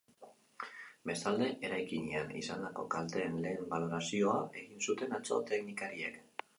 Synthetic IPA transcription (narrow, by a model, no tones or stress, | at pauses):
be̞st̪ald̪e̞ʔe̞ɾajkiɲeanḭsand̪ako̞kalt̪e̞ːnle̞ːmbalo̞ɾasio̞ae̞ɣinsut̪e̞nat͡so̞̰t̪e̞knikaɾie̞k